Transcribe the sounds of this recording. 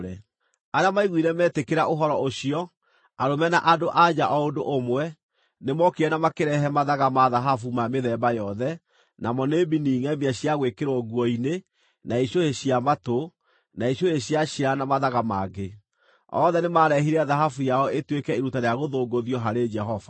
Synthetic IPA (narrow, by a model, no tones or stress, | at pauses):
ɾɛ | aɾeamaiɣwiɾɛmɛːtekeɾaʔoɦɔɾɔoɕiɔ | aɾomɛna̰ʔadoʔad͡ʒaʔɔondoʔomwɛ | nemɔkeɛnamakeɾɛɦɛmaðaɣamaðaɦafumameðɛbajɔðɛ | namɔnebiniːŋɛmiaɕiaɣwekeɾwɔɣuɔine | naiɕoheɕiamato | naiɕjoeɕjaɕiɾanamaðaɣamaːɡe | ɔ̰ðɛnemaɾɛɦiɾɛaðaɦafujaɔetwekɛiɾutaɾeaɣoðoːɡoðiɔɦaɾed͡ʒɛɦɔva